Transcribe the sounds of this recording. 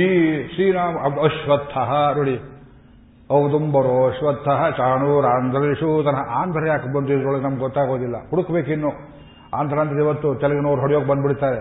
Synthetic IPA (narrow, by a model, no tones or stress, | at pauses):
iːsiːnaːmɐd̪ɐʃʋɐt̪ʰːɐɦɐnoɽi | ɐʋt̪umbɐɾoʃʋɐt̪ʰːɐɦɐt͡ʃaːɳuɾaːnd̪ʱɐɾɐliʂut̪ɐnɦɐʔaːnd̪ʱɐɾɐjaːkɐbɐnd̪uid̪ɾoɭɐɡenɐmɐɡɡɔt̪ːaːɡoːd̪ilːɐ̰huɽukbeːkinːu | a̰ːnd̪ʱɐɾaːnd̪ɐɾiʋɐt̪ːut͡ʃ̪ɛlɐɡenoːɾɦoɽijoːɡbɐnd̪biɽt̪aːɾe